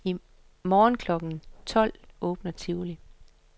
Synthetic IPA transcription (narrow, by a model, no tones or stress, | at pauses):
i | mɒːnkʰlɒ̽ɡ̥n̩t͡sʰɒ̽l̰ɔ̽ːb̥nɐt͡sʰiʊli